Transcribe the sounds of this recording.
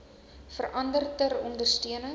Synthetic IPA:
fərʔɐndərtərɔndərstyənə

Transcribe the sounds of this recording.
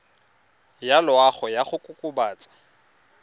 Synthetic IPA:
jalʊaχɔjaχʊkʼʊkʼʊbaːt͡sʼḁ

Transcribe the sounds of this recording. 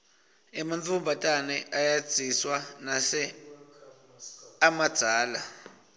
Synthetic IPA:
ɛmantumbʱatʼanɛʔajḁz̥ʱiswanasɛ | amad̥z̥ʱaːla

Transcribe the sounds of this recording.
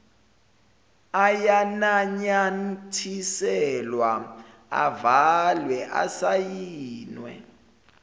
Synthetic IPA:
ajanaɲantʰisɛlwa | a̰valwɛʔa̰sajiːnwɛ̰

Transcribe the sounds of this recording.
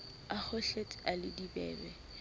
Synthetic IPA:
ak͡xʊɬet͡sʼalɪdibɛ̰ːbɛ

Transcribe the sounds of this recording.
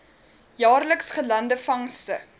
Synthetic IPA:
jɑːrləksχəlɐndəfɐŋstə

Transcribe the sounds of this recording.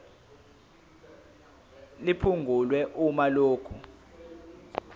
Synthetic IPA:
lipʰuŋɡʱulwɛʔumaloːkʰu

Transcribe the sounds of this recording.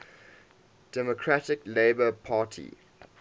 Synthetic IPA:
d̥ɛmɔkʰɹatɪkleɪbəpʰaːˑtʰḭ

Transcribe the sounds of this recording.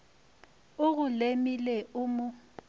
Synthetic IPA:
ʊɣʊlemileʊmʊ

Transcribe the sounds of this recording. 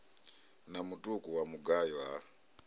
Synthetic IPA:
namutʼukʼuwamuɡajwa

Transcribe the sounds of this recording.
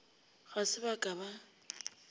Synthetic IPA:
ɣasɪbakʼaba

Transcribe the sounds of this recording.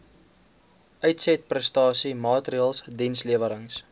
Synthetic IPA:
ʔœɥtsɛt̚prɛstɑːsimɑːtriəːlˠsdinsliəvəɾəŋs

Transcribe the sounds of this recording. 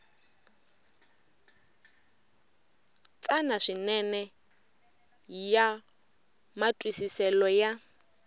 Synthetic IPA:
t͡sʼanaʂinɛnɛ | ja | matʼwisisɛlɔja

